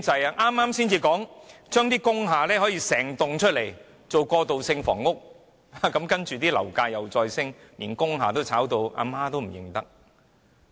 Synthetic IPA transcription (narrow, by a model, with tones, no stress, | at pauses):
t͡sɐ˨ja˧ʔaː˥mːaː˥msiː˥nt͡siː˧kɔː˨˥ŋt͡ʃœː˥ŋt̪iː˥kʊ˥ŋɦaː˨lɛː˥hɔː˨˥jiː˧sɛː˨˩ŋt̪ʊ˨ŋt͡ʃʰɵ˥t̚le˨˩j | t͡so˨wkɔː˧t̪o˨wsɪ˧ŋfɔ̰ː˨˩ŋːʊ˥k̚ | a˨kɐ˨˥mkɐ˥nt͡ʃyː˨t̪̬iː˥lɐ˨˩wkaː˧jɐ˨˩wt͡sɔː˧jsɪ˥ŋliː˨˩nkʊ˥ŋɦaː˨t̪o˥wt͡sʰaː˨˥wt̪o˧wʔa̰ː˨˧maː˥t̪o˥wm̩˨˩jɪ˨ŋt̪ɐ˥k̚